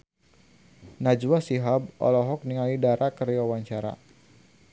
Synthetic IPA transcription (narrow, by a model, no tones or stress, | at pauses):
nad͡ʒwasiɦab̚ʔɔ̰lɔɦɔk̚niŋalidaɾakəɾjawaɲt͡ʃaɾa̰